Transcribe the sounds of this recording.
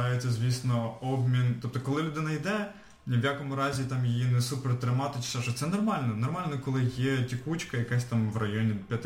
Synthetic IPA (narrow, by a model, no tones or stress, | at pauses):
ɑjet͡sʲːɐzʲʋʲisnɔɔbmʲint̪ɔp̚t̪ɔkɔlˠɪlʲud̪ɪnɐjd̪ɛ | nʲʋjakɔmʊɾɑzʲit̪ɑmjijinɛsupɛrt̪ɾɪmɑt̪ɪt͡ʃɪ̥sɛʃɔt̪ɛnɔrmɑlʲnɔnɔrmɑlʲnɔkɔlˠɪjɛtʲikut͡ʃkɐjɐkasʲt̪ɑmʋrɐjɔnʲipʲjɐt̪